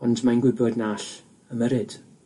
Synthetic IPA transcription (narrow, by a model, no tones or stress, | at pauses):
ɔndmajnɡwɪbɔdnaːɬ | əməɾɪd̥